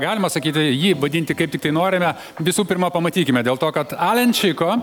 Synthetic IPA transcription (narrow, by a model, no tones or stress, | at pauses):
ɡɑːlʲɪmɐsɐkʲiːt̪ʲɪjiːʋɐd̪ʲɪnʲt̪ʲɪkɐɪp̚t̪ʲɪk̚t̪ɐɪnoːɾʲɪmʲɛ | ʋʲɪsuːpʲɪrmɐpɐmɐt̪ʲiːkʲɪmʲɛd̪ʲeːlˠt̪oːkɐt̪ɑːlʲɛnʲt͡ʃʲɪkoː